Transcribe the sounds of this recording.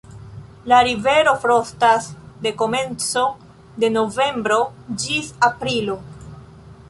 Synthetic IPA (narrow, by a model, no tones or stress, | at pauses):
laɾive̞ɾo̞fɾostasde̞ko̞me̞nt͡so̞ | de̞no̞ve̞mbɾo̞d͡ʒisapɾilo̞